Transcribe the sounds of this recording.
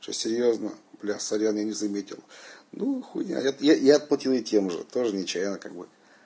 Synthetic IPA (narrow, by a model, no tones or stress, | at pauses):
sʲo̰sʲɪɾʲjoznə̰blʲasɐɾʲanjanʲɪzɐmʲetʲɪ̰lˠnuxunʲa̰jat̪jajaɐt̪̚plˠɐtʲilˠjɪtʲemʐɨ̰t̪o̞ʐɨnʲɪt͡ɕæjnəka̰ɡ̚bɨ̰